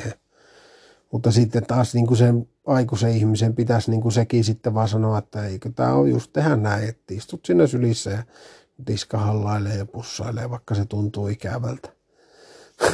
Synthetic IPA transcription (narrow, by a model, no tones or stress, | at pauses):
he | mut̪ːɑsit̪ːet̪ɑːsniːŋkusen | ɑikuseihmisempit̪æsniːŋkusekisit̪ːeʋɑsɑnoɑet̪ːæeikøt̪æ̰ːo̰jjust̪t̪ehænnæˑiet̪ːeist̪ut̪sinːæsylisːæjɑ | riskɑhɑlːɑˑilːˑeːjjɑpusːɑ̰ˑilːˑḛʋɑˑikːɑset̪unt̪uːikæ̰ʋælt̪æ̥